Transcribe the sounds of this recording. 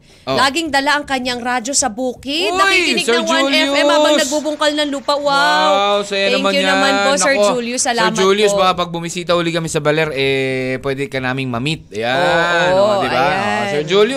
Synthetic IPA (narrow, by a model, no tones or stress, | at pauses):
ʔolaːɡɪŋd̪ɐlaʔɐŋkɐɲaŋɾaːd͡ʒo̞sɐbuːkɪd̪aːɪlɪɪɡsɛŋd͡ʒɐɛmɛabɐnɐɡ̚bubʊŋkɐlnɐŋluːpɐʔwawawsɐjanɐŋmɐjʊɐmanponɐɛɹd͡ʒuljʊsːɐlaɛɹmd͡ʒuːljʊsbɐɐpɐɡ̚bʊmisiːt̪ɐʔuːlɪkɐmɛsɐbɐlɛɾɛpwɛːd̪ɛkɐnaːmɪŋmɐmit̪̚jaod̪ɪbasɛɹd͡ʒuljʊ